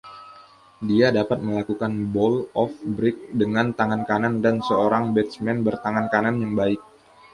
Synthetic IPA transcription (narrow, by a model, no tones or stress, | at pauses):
diadapat̪̚məlakukanbɔlɔfbɾɪk̚dəŋant̪aŋankanandansəoɾaŋbɛt̪̚smɛnbərt̪aŋankananjaŋbaɪk̚